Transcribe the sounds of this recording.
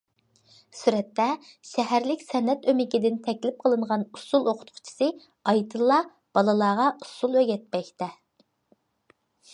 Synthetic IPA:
syɾɛt̪ːɛʃɛɦæɾlɪkʲsɛnːɛt̪ømɪkʲid̪ɪnt̪ʰɛkʲlɪp̚qʰəlˠɨɴʁɑnusulˠoqʰʊ̥t̪̚qʰʊ̥t͡ʃʰi̥sɨ | ɑjt̪ʰɨlˠːɑ | b̥ɑlˠɨlˠɑːʁɑusulˠøɡʲɛt̪̚pɛkʲt̪ɛ

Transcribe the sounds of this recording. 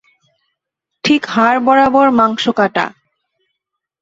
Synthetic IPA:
ʈʰikhaɾbɔɾabɔɾmaŋʃokaʈa̰

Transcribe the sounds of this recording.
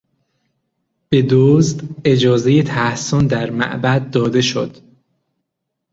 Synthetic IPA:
b̥e̞d̪ozd̪e̞d͡ʒɒːze̞jet̪ʰæhsond̪æɾmæ̰ʔbæd̪̚ːɒːd̪e̞ʃo̰d̪̥

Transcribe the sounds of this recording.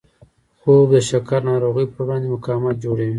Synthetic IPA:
xobd̪əʃakaɾnɑɾoɣəjpəɾwɽɑnd̪emʊkɑmat̪̚d͡ʒoɽawi

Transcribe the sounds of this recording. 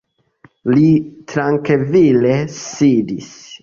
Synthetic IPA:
litɾaŋkevilesidis

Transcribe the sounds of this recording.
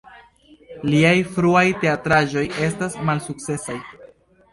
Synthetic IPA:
liajfɾuajte̞atɾaʒo̞je̞s̬tasmalsuk̚t͡se̞saj

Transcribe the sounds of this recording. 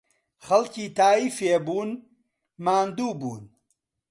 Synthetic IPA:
χɐlkiːt̪aːiːfeːbuːn | maːnd̪uːbuːn

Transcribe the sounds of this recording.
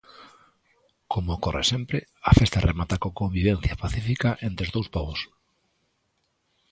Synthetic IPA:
kʰomoːkorḛsempɾɪafest̪arʔemat̪akokombiβen̟θjapaθifikaʔent̪ɾeozðowspɔβos

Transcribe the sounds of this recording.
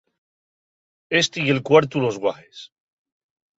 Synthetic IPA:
est̪eie̞lkwaɾt̪ulo̞zɣwaxes

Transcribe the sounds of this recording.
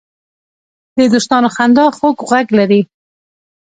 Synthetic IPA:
d̪əd̪uʃt̪ɑnoxand̪ɑxokɣaɡlaɾi

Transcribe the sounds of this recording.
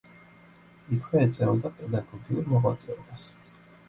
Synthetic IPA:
ikʰwɛɛd̪zʼɛɔd̪apʼɛd̪aɡɔɡiuɾmɔʁwa̰t̪sʼɛɔbas

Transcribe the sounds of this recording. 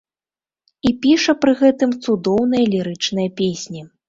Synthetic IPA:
ipʲiʂɐpɾɨɣɛt̪ɨmt̪sud̪ɔwnɐjɐlʲiɾɨt͡ʂnɐjɐpʲesʲnʲi

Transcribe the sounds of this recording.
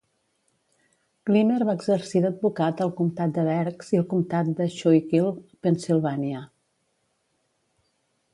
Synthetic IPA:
kliməɾβaəɡzəɾsid̪əd̪̚bukat̪əlˠkumt̪at̪̚d̪əβɛɾkz̥ilˠkumt̪at̪̚d̪əʃɔjkilˠpənsilˠβaniə

